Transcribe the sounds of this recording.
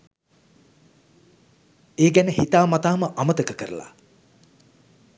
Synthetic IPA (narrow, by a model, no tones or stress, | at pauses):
eːɡænəhit̪aːmat̪aːməʔamət̪əkəkəɾə̰la̰